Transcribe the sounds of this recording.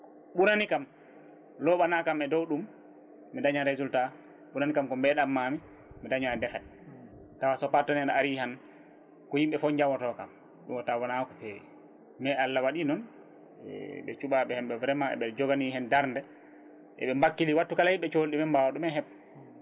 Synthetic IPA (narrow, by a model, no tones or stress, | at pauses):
ɓunanikam | lɔɓanakamɛdɔwɗumː | idaɲaɾezulta | ɓunanikamkɔmbɛɗamːami | midaɲadɛfɛt | tawasɔpatɔnɛɗaaɾihan | kɔhimɓɛfɔɲd͡ʒawɔtɔkam | ɗumɔtawɔnakɔpɛ | mɛalːawaɗinɔn | ɛ̰ɓɛ̰t͡ʃuɓaɓɛhɛmɓɛvɾɛmaɛ̰ɓɛld͡ʒɔɡaniɦɛndaɾndɛ | ʔɛ̰ɓɛmbakːiliwatːukalahiɓɛt͡ʃolɗimɛmbawaɗumɛɦɛpː